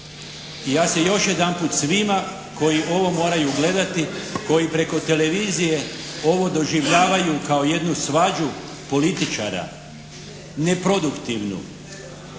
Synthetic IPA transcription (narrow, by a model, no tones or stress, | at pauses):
ijaːse̞jo̞ʃje̞d̪anpuːt̪sʋima | ko̞jiʔo̞ʋo̞mo̞ːɾajuɡle̞d̪at̪iko̞jipɾe̞ko̞t̪e̞le̞ʋiːzije̞o̞ʋo̞d̪o̞ʒiʋʎaːʋajukao̞je̞d̪nusʋad͡ʒu | po̞lit̪it͡ʃa̰ɾa̰ | ne̞pɾo̞d̪ukt̪iʋnṵ